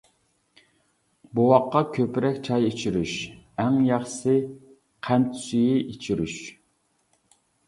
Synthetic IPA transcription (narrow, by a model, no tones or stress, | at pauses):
buwɑqːɑkʲʰøpɾɛkʲt͡ʃʰɑjet͡ʃʰiɾyʃɛŋjɑχsɪ | qʰænt̪ʰy̥syjiʔet͡ʃʰiɾyʃ